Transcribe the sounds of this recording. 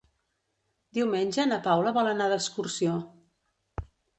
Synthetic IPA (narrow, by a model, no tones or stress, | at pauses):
d̪iwmenʲʒənəpawləβɔlənaðəskursio